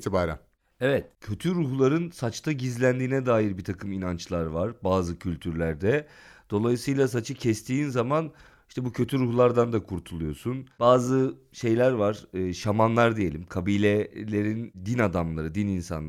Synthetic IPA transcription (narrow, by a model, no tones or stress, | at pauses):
t̪ʰibaːɾæ̰n | evɛt̪cʰø̞t̪ʰyɾuhlˠaɾɯnsat͡ʃt̪ʰaɟizlʲænd̪iːnɛd̪aːjiɾbiɾt̪ʰakʰɯminant͡ʃlˠaɾvaɾ̥baːzɯcʰylʲt̪ʰyɾlʲæɾd̪ɛd̪̥o̞lˠajisɯjlˠas̬at͡ʃʰɯcʰɛst̪ʰiːnzaman | iʃt̪ʰɛbucʰø̞t̪ʰyɾuhlˠaɾd̪and̪akʰuɾt̪ʰulˠujo̞sunb̥aːzɯ | ʃe̞jlʲæɾvaɾ̥ɯːʃamanlˠaɾd̪ije̞lʲimkʰabiːlʲɛlʲe̞ɾind̪inad̪amlˠaɾɯd̪ininsa̰nˠ